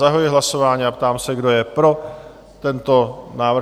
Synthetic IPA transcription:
aɦojɪɦlaso̞vaːɲiapt̪aːmsɛɡdo̞jɛpɾo̞ | t̪ɛnt̪o̞naːvɾ

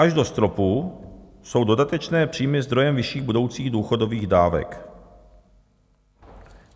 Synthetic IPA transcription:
aʒdo̞st̪ɾo̞pu | so̞wdo̞dat̪ɛt͡ʃnɛːpr̝̥iːmɪzd̪ɾo̞jɛmvɪʃiːɣbudo̞wt͡siːɣduːxo̞do̞viːɣdaːvɛ̰k

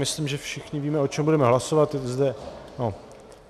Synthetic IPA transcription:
mɪslimʒɛfʃɪxɲɪviːmɛo̞t͡ʃɛmbudɛmɛɦlaso̞vat̪zdɛno

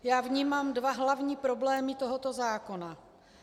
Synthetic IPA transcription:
jaːvɲiːmaːmdvaɦlavɲiːpɾo̞blɛːmɪt̪o̞ɦot̪ozaːko̞na

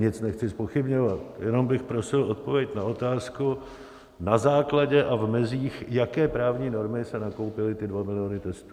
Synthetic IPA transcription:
ɲɪt͡snɛxt͡sɪspo̞xɪbɲo̞vat̪jɛno̞mbɪxpɾo̞sɪlo̞t̪̚po̞vjɛcnaʔo̞t̪aːsku | nazaːklaɟɛʔavmɪziːxjakɛːpɾaːvɲiːno̞ɾmɪsɛnako̞wpɪlɪt̪ɪdvamɪlɪjonɪt̪ɛst̪uː

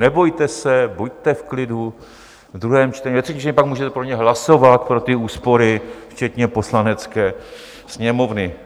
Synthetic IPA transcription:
nɛbojt̪ɛsɛbojt̪ɛfklɪdu | vd̪ɾuɦɛːmt͡ʃt̪ɛɲivɛt̪rɛ̥cim̩t͡ʃt̪ɛɲɛpakmuːʒɛt̪ɛpɾoɲɛɦlaso̞vat̪̚pɾo̞t̪ɪuːspo̞ɾɪft͡ʃɛt̪ɲɛpo̞slanɛt͡skɛː | sɲɛmo̞vnɪ

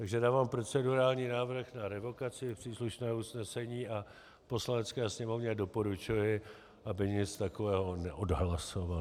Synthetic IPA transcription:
t̪aɡʒɛdaːvaːmpɾo̞t͡sɛduɾaːlɲiːnaːvr̩xnaɾɛvo̞kat͡sɪɪpr̝̥iːsluʃnɛːusnɛsɛɲiːʔa | po̞slanɛt͡skɛːsɲɛmo̞vɲɛdo̞po̞ɾut͡ʃujɪ | ʔabɪɲɪt͡st̪ako̞vɛːɦo̞nɛʔo̞dɦlaso̞va

